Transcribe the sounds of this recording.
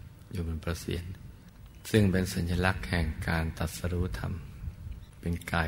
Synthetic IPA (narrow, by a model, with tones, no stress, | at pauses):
juː˨˩muː˨˧˦npɾa˧sḭ˨˩˦ən | sɯ˥˩ŋpe˧nsa˩˦nja˧la˦˥k̚hɛ˨˩ŋkaː˧nt̪a˨˩t̪̚sa˧ɾuː˦˥t̪ʰa̰˧m | pe˧nkaː˧